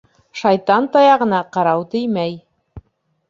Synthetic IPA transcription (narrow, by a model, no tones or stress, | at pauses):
ʃɑjt̪ɑnt̪ɑjɑʁɤ̆nɑqɑɾɑwt̪ɘjmæj